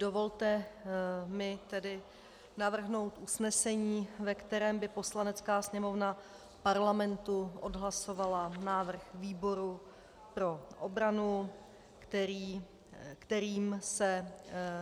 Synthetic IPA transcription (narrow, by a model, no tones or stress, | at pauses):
do̞vo̞lt̪ɛ | mɪt̪ɛdɪ | navr̩ɦno̞wt̪ʔusnɛsɛɲiːvɛkt̪ɛɾɛːmbɪpo̞slanɛt͡skaːsɲɛmo̞vna | fpaɾlamɛnt̪uʔo̞dɦlaso̞valanaːvr̩xviːbo̞ɾu | pɾo̞ʔobɾanu | ɛɾiː | kt̪ɛɾiːmsɛ